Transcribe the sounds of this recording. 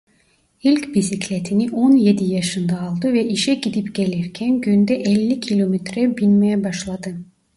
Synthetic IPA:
ilʲcbisicʰlʲet̪ʰiniʔonje̞d̪ijaʃɯnd̪aːlˠd̪ɯvɛʔiʃɛɟid̪ipɟe̞lʲiɾcʰænɟynd̪ɛʔɛlʲːicʰilʲomɛt̪ʰɾɛbinmejɛbaʃlˠad̪ɯ

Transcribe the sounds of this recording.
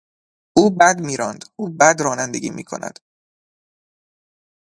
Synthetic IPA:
ʔuːbæd̪miːɾɒːnd̪̥ʔuːbæd̪ɾɒːnænd̪eɡʲḭːmḭːkʰo̞̰næ̰d̪̥

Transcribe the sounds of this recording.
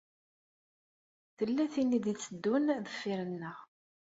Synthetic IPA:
θəlːæθinid̪it͡sːəd̪ːunðəfːiɾənːəʁ

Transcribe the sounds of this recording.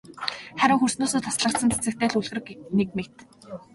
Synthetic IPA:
χæɾʲɪ̆ŋxursnʊːsoːt̪ʰasɮə̆kt̪sə̆nt͡sʰe̥t͡sɘ̆kt̪eːɮuɮɣ̆rɘ̆knek̚mekt̪

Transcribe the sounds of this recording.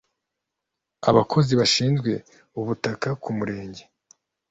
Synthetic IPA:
a̰βakʰo̞ziβaʃiːnzɡwe̞ | uβutakakumuɾe̞ːɲɟe

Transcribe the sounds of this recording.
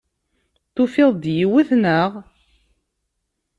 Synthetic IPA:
θʊfɪðˤd̪jiwiθnəʁ

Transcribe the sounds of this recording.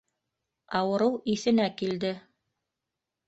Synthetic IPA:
ɑwɤ̆ɾɤwiθɘ̆nækild̪ɘ

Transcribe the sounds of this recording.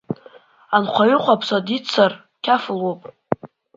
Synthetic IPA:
anqʷʰaɥʏqʷʰʼapʰsadit͡sʰar | kʲʰaflopʼ

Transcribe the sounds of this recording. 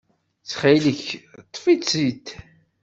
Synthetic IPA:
t͡sːχaləçt̪ˤːfiit̪

